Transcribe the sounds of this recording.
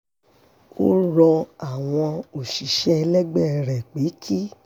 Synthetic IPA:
o̰˦ɾɔ˧a˨w̃ɔ̃˧o˨ʃi˨ʃɛ˦˧lɛ˦ɡ͡bɛ˦˨ɾɛ˨k͡pe˨˦kʰi˦

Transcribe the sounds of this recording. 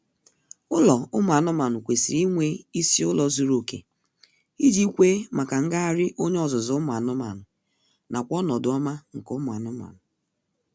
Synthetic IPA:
ʊ˦lɔ˨ʊ˦mʊ˨a˨nʊ˦ma˨nʊ˨kʷe˨si˨i˦ŋʷe˦i˦si˦ʊ˦lɔ˨zu˦ɾo˨kḛ˨ | i˦d͡ʒi˦i˦kʷe˦ma˨ka˨ŋ̩˦ɡa˦a˨ɾɪ˦ʔo˦ɲe˦ɔ˨zʊ˨zʊ˨˦mʊ˨a˨nʊ˦ma̰˨nʊ˨ | na˨kʷɔ˦nɔ˨dʊ˨˦ɔ˦ma˦ŋ̩˨kʊ˦mʊ˨a˨nʊ˦ma̰˨nʊ˨

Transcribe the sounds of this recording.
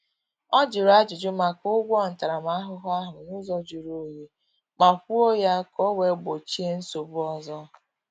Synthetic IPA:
ɔ˦d͡ʒi˨ɾa˦d͡ʒʊ˨d͡ʒʊ˦ma˨kʊ˦ɡʷɔ˦˨n̩˨ta˨ɾa˨ma˦a˦ɦʊ˦ɦʊ˦a˦ɦʊ˨nu˦zɔ˦d͡ʒu˨ɾo˦je˦ | ma˨kʷu˦o˦ja˦kɔ˦we˨˦ɡ͡bo˨t͡ʃi˦e˦n̩˦so˨bʊ˦ɔ˦zɔ˦

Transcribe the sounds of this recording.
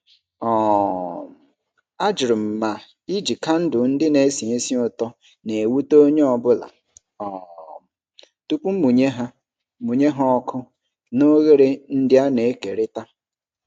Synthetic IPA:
ɔ˨m˨ | a˦d͡ʒɪ˨ɾʊ˨m̩˨ma˨ | i˦d͡ʒi˨ka˦n̩˦dʊ˨n̩˦dɪ˦ne˨˦si˨e˦si˦ʊ˦tɔ˦ | ne˨e˨wu˦to˦ɲe˦ɔ˨bʊ˦la̰˨ | ɔ˨m˨ | tu˦pu˦m̩˦mu˨ɲe˦ɦa˦ | mu˨ɲe˦ɦɔ˦ɔ˦kʰʊ˦ | no˦ɣe˦ɾe˦n̩˦dɪ˦a˦ne˨e˦ke˨ɾɪ˦ta˦

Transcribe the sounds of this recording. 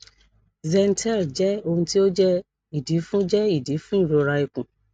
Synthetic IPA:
zɛ˧n˦tʰɛ˦˨ld͡ʒɛ˦o˧hũ˧ti˦o˦d͡ʒɛ˦ | i˨di˨˦fũ˦d͡ʒɛ˦i˦˨di˨˦fũ˦i˦˨ɾo˧ɾa˧i˨kũ˨

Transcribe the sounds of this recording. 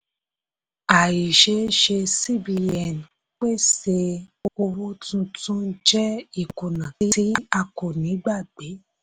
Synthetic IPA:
a˨ji˨ʃe˧˦ʃe˧si˦˨bi˧ɛ˨n˨ | k͡pe˦se˧o˧o˧wu˦tũ˧tũ˦d͡ʒɛ˦i˨ku˨nã˨i˦i˨˦a˧ko˨nĩ˨˦ɡ͡ba˦˨ɡ͡b̥e˨˦

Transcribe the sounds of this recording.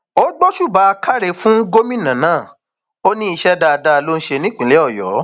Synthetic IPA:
o˦ɡ͡bɔ˦ʃu˦˨ba˨˦˧ka˦ɾe˧fũ˦ɡo˦mĩ˦˨nã˨˦nãː˦˨ | o˦nĩ˦i˧ʃɛ˦da˧da˧lo˦n̩˦ʃe˧nĩ˦k͡pĩ˨˦le˦ɔ˦˨jɔ̰˨˦

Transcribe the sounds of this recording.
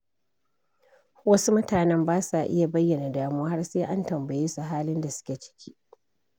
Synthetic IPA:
wɐ˦su˦mʊ˦taː˨nɛ˦mbaː˦sa˨ʔɪ̰˦ja˨bɐ˦jːɐ˨na˨daː˨mu˦a˦ha˦rseː˦ʔa˦ntɐ˨mbɐ˨jeː˦su˨ɦaː˦lɪ˦nda˨sʊ̥˦kʲe˨t͡ʃɪ̥˦kʲi̥ː˦ʔ

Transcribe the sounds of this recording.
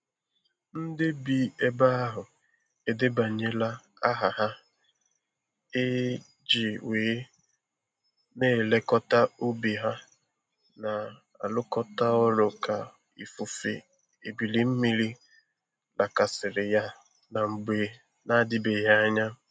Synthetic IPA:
n̩˦dɪ˦bi˨e˦ba˦a˦ɦʊ˨ | e˨de˦ba˨ɲe˦la˦ | a˦ɦa˨ɦa˦ | e˦ | d͡ʒi˨weː˨˦ | neː˦˨le˦kɔ˦ta˦o˦bi˨ɦa˦ | na˨ | a̰˨lʊ˦kɔ˦ta˦ɔ˦lʊ˨ka˨ | ḭ˨fu˨fḛ˨ | e˨bi˨li˦m̩˦mi˦li˦ | lʔa˨ka˨sɪ˨ɾɪ˨ja˦ | na˨ŋ͡m̩˨ɡ͡be˨ | na˦˨dɪ˦be˨ja˦a˦ɲa˦

